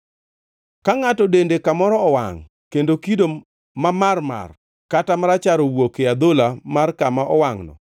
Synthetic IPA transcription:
kaŋatɔdendekamɔɾɔːwa̰ŋ | kendokido | mamarma̰r | katamaɾat͡ʃaɾɔwokejad̪olamarkamaʔɔwaŋnɔ̰

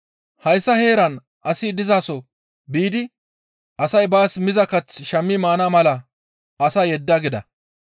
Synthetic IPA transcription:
hɐjsːɐhe̞ːɾɐn | ʔɐsɪd̪ɪzaːsɔ | biːd̪ɪ | ɐsɐjbaːsmɪzɐkɐt͡sːʃɐmːɪmaːnaːmɐlɐ | ɐsaːjɛd̪ːaːɡɪd̪ɐ̰

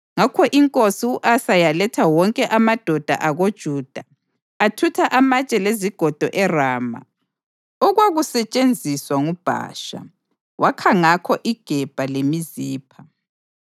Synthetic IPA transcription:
ŋakʰɔʔiŋkʼosiuʔasajalɛtʰawɔŋkʼɛʔamad̥ʱɔd̥ʱa̰ʔaɣod̥ʒ̥ʱuːd̥ʱa | atʰutʰaʔamat͡ʃʼɛleziɡ̥ʱɔd̥ʱɔʔɛraːma̰ | ɔɣwaɣusɛt͡ʃʼend͡zʱiswaŋub̥ʱa̰ːʃa̰ | wakʰaŋakʰɔʔiɡ̥ʱɛb̥ʱalemiziːpʰa

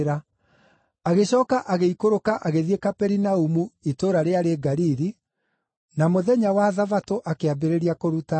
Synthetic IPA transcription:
ɾa | aɣeɕɔːkaʔaɣeikoɾokaʔaɣeðiekapɛɾinaumuitoːɾaɾeaɾeːɡaɾiɾi | namoðɛɲawaðavatoʔakeabeɾeɾiakoɾuta

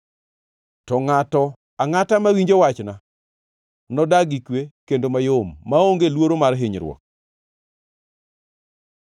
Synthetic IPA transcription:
tɔŋatɔ | aŋatamawiɲd͡ʒowat͡ʃna | nɔdaɡikwekendomajomːaoŋɡelwoɾomarɦɪɲɾwɔ̰k̚

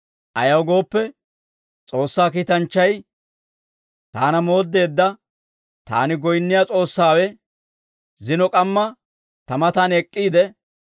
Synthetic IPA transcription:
ʔɐjɐwɡo̞ːpːɛ | t͡sʼo̞ːsːaːk̬iːt̪ɐnt͡ʃːɐj | t̪aːnɐmo̞ːd̪ːe̞ːd̪ːɐ | t̪a̰ːnɪɡɔjnːɪjat͡sʼo̞ːsːaːwɛ | zɪnɔkʼɐmːɐ | t̪ɐmɐt̪anɛkʼːiːd̪ɛ

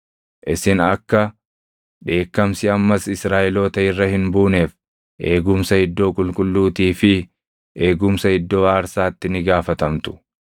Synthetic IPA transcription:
ʔɪsɪnɐkːɐ | ᶑe̞ːkːɐmsɪɐmːɐsɪsɾaːʔɪlo̞ːt̪ɐɪrːɐhɪnbuːne̞ːf | ʔe̞ːɡʊmsɐhɪd̪ːo̞ːkʼʊlkʼʊlːuːt̪iːfɪ | ʔe̞ːɡʊmsɐhɪd̪ːo̞ːɾsaːt̪ːɪnɪɡaːfɐt̪ɐmt̪ʊ̥

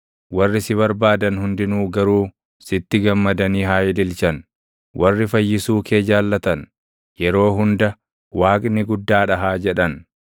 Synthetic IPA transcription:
wɐrːɪsɪβɐɾbaːd̪ɐnhʊnd̪ɪnuːɡɐɾuː | sɪt̪ːɪɡɐmːɐd̪ɐniːɦaːjɪd̪ɪlt͡ʃɐn | wʔɐrːɪfɐjːɪsuːkʰeːd͡ʒaːlːɐt̪ɐn | jɛɾo̞ːɦʊnd̪ɐ | waːkʼnːɪɡʊd̪ːaːᶑɐɦaːd͡ʒɛᶑɐn

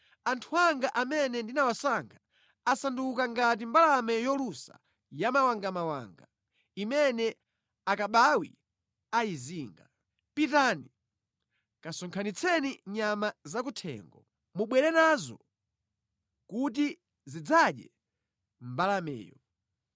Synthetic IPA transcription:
antʰuaŋɡaʔamɛnɛndinawasaŋɡʰa | asandukaŋɡat̬imbalamɛjɔlusa̰ | jamawaŋɡamawa̰ːŋɡa | imɛnɛ | akaɓawḭ | ajiziːŋɡa | pitani | kasɔŋkʰanit͡sʰɛniɲamazakutʰɛ̰ŋɡɔ̰ | muɓwɛɾɛnazɔ̰ | kut̬i | zid͡zaɗɛ̰ | mbalamɛ̰ːjɔ̰

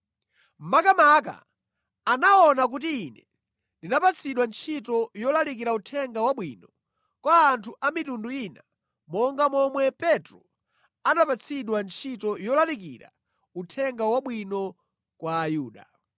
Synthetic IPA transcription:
m̩makamak̬a̰ | anaɔnak̬utiːnɛ | ndinapat͡sʰiɗwant͡ʃʰitɔjɔlalik̬iɾautʰɛŋɡawaɓwinɔ | kwaːntʰuʔamitunduina | mɔŋɡamɔmwɛpɛtɾɔ | anapat͡sʰiɗwant͡ʃʰitɔjɔlalik̬iɾa̰ | utʰɛŋɡawaɓwinɔ | kwaːjuːɗa

